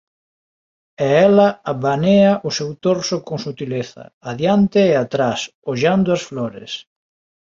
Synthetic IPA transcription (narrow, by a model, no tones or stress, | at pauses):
ɛɛlɐaβaneɐʔʊsewt̪oɾsʊkoŋsut̪ileθɐ̰aðjant̪eːat̪ɾasoʎand̪ʊɐsflɔɾɪ̰s